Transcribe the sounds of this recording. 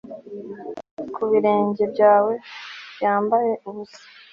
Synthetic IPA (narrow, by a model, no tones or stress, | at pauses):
kʰuβiɾe̞ːɲɟe̞bɟaːwe̞bjaːmbaje̞ʔuβusḁ